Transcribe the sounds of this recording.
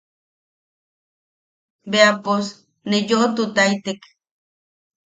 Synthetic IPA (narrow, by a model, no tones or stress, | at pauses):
beapos | nejoʔot̪ut̪ajt̪ek